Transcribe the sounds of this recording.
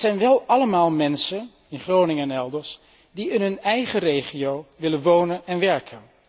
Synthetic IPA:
z̥ɛjnʋɛlˠɑləmaːlˠmɛnsən | ɪnχrownɪŋɛnɛlˠdəɹs | diɪnɦɵnɛjχərejχijowʋɪlənʋownənɛnʋɛɹkʰən

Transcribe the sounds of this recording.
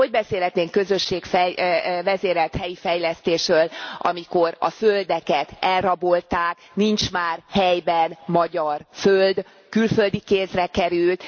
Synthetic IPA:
o̞ɟbɛseːlɦɛt̪neːŋkø̞zø̞ʃːeːkfɛvɛzeːɾɛlt̪hɛjifɛjlɛst̪eːʃrøːlʔɒ̰miko̞ɾɒ̰føld̪ɛkɛt̪ɛlrɒbo̞lt̪aːk | nint͡ʃmaːrhɛjbɛnmɒɟɒrføld̪ | kylfø̞ld̪ikeːsrɛkɛɾylt̪

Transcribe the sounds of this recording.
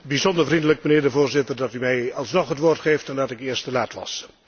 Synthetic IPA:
bizɔndəɹvrindələk̚mənɪːɹdəvoːɹzɪtərdɑtymɛjɑlˠsnɔχɦətʋoːrtχeːftɛndɑtɪkɪəɹstəlaːtʋɑ̰s

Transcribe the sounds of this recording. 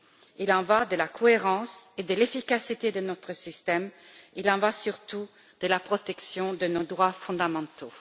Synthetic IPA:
ilɑ̃vad̪əlakʰɔeʁɑ̃sed̪əlefikasit̪ed̪ənɔt̪χəsist̪ɛmilɑ̃vasyʁt̪u | d̪̥əlapχɔt̪ɛksjɔ̃d̪ənod̪ʁwafɔ̃d̪amɑ̃t̪o

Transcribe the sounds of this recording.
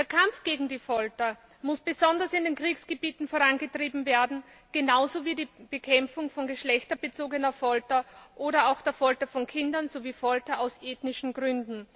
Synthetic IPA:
d̥eːɐkʰamfɡ̥eːɡŋ̩diːfɔltɐ | mʊsb̥ezɔndɐsɪndeːnkʁ̥iːksɡ̥əbiːtn̩foɐʁanɡətʁ̥iːbm̩veːɐdn̩ | ɡ̥enaʊzoviːdiːb̥ekʰɛmfʊŋfɔnɡəʃlɛçtɐbet͡soːɡənɐfɔltɐʔoːɾɐaʊxd̥eːɐfɔltɐfɔnkʰɪndɐnzoviːfɔltɐaʊsʔeːtnɪʃn̩ɡʁʏndn̩

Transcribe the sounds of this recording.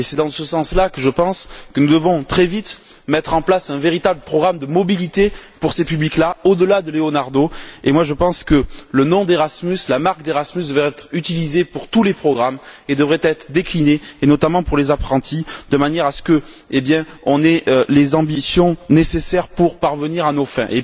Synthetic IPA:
esɛd̪ɑ̃səsɑ̃slakəʒəpɑ̃skənud̪əvɔ̃t̪χɛvit̪ | mɛt̪χɑ̃plasɛ̃veʁit̪abləpχɔɡʁamd̪əmɔbilit̪epuʁsepybliklaod̪əlad̪əleonaʁd̪oemwaʒəpɑ̃skələnɔ̃d̪eʁasmyslamaʁk̚d̪eʁasmysd̪əvʁɛɛt̪χyt̪ilizepuʁt̪ulepχɔɡʁamed̪əvʁɛt̪ɛt̪χəd̪eklineːnɔt̪amɑ̃puʁlezapχɑ̃t̪id̪̥əmanjɛʁasə̥kəebjɛ̃ | ɔ̃nɛʔlezɑ̃bisjɔ̃nesesɛʁpuʁpaʁvəniʁanofɛ̰̃ʔḛ

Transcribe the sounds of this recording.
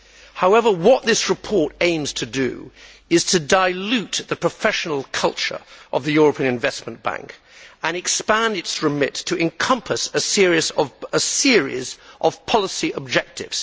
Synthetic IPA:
haʊɛvə˞wʌt̪̚ðɪsɹɨpʰɔɹɾẽɪ̃mz̥tʰɨdɨ̰ | ɨz̥tʰɨdaɪlʉt̪̚ðɨpʰɹ̥əfɛʃn̩l̩ˠkʰʌlˠt͡ʃə̰˞ʔʌvðɨjʊɹəpʰĩɨ̃ñɨ̃ɱvɛsmə̃nb̥æ̰̃ŋk | ə̃nɨkspæ̃ndɨtsɹɨmɪtʰɨɨ̃nkʰʌ̃mpʰəsɨsɪɹizʌvəsɪɹḭzʔʌv̥pʰɑlˠəsiʔəb̚d͡ʒɛk̚tɪ̰vz̥

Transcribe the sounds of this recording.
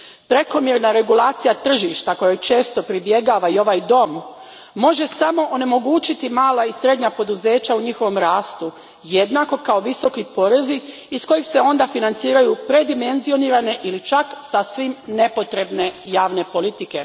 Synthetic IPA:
pɾe̞ko̞mjeɾnaɾe̞ɡulaːt̪sijat̪r̩ʒiʃt̪ako̞jojt͡ʃe̞ːst̪o̞pɾibje̞ɡaːʋaio̞ʋaːjd̪o̞mː | o̞ʒe̞samo̞ʔone̞mo̞ɡuːt͡ɕit̪imaːlaisɾe̞d̪ɲapo̞d̪uze̞ːt͡ɕauɲixo̞ʋo̞mɾaːst̪u | je̞d̪nako̞kao̞ʋiso̞kipo̞ɾe̞ziː | sko̞jixse̞o̞nd̪afinant̪siːɾajupɾe̞d̪ime̞nzio̞niːɾane̞ʔilit͡ʃaksasʋimne̞po̞t̪ɾe̞bne̞jaːʋne̞po̞lit̪ike̞

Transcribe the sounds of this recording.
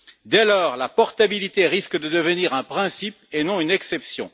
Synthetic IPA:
d̪ɛlɔːʁlapɔʁt̪abilit̪eʁiskd̪əd̪əvəniʁɛ̃pχɛ̃sipenɔ̃ynɛksɛpsjɔ̰̃

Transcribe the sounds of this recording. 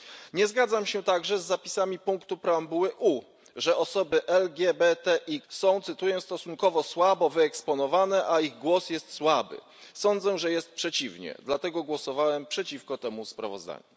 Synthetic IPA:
ɲɛzɡad̪zamɕɛt̪aɡʐɛzːapʲi̥samʲipuŋkt̪upɾambuwɘʔu | ʐɛʔɔsɔbɘʔɛlɡʲjɛbɛt̪ɛʔiksɔ̃w̃t̪sɘt̪ujɔ̃w̃st̪ɔsuŋkɔvɔswabɔvɘɛkspɔnɔvanɛʔaiɣɡwɔsjɛst̪swabɘ̰ | sɔnd̪zɛʐɛjɛst̪̚pʂɛt͡ɕivɲɛ̰d̪lat̪ɛɡɔɡwɔsɔvawɛmpʂɛt͡ɕifkɔt̪ɛmuspɾa̰vɔ̰zd̪a̰ɲu

